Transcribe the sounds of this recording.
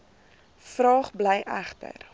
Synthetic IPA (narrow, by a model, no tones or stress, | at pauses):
frɑːχblɛjʔæχtə̰r